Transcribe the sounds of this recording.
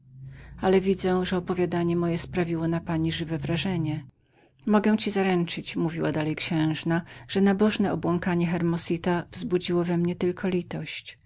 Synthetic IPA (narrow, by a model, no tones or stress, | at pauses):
alɛvʲid̪zɛ̃ʐɛɔpɔvʲjad̪aɲɛmɔjɛspɾavʲiwɔnapaɲiʐɘvɛvɾaʐɛɲɛ | mɔɡɛw̃t͡ɕizaɾɛnt͡ʂɘt͡ɕmuvʲiwad̪alɛjkɕɛ̃w̃ʐnaʐ̥ɛnabɔʐnɛɔbwɔŋkaɲɛxɛɾmɔsit̪avzbud͡ʑiwɔvɛmɲɛt̪ɘlkʰɔlʲit̪ɔɕt͡ɕ